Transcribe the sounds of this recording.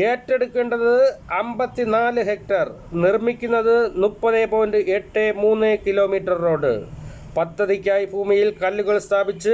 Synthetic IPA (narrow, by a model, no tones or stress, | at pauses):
e̞ːtːe̞ɽukːe̞ːɳɖɐðɨɐmbɐt̪ːinaːlɨɦe̞k̚ʈɐr | nirmikʲːunːɐðɨnupːɐðeːboːndɨʔeʈːemuːnːekilo̞ːmiːʈrɐrːo̞ːɽɨ̰ | pɐt̪ːɐðikʲːaːjibʱuːmijilkɐlːuɣɐɭst̪ʰaːbit͡ɕːɨ